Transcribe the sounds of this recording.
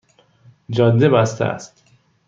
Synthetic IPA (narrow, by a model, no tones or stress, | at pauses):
d͡ʒɒːd̪ːebæst̪ʰḛæ̰st̪